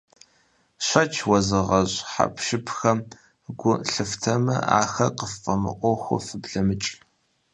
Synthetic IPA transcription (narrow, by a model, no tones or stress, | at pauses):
ɕʷɐt͡ʃʰwɐzɨʁɐɕʼħa̰pʰʃɪpʰxɐm | ɡʷʊɬɨftʰɐmɐ̰a̰ːxɐqəfʼɐmɨ̰ʔʷɔxʷʊ̰fɨbɮɐmɨt͡ʃʼ